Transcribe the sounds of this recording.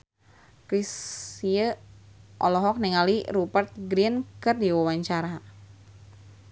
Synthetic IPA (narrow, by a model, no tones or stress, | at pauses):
kɾisiə | ʔɔlɔɦɔk̚nɛŋaliɾubərt̪̚ɡɾiənkɨrdiwawaɲt͡ʃaɾa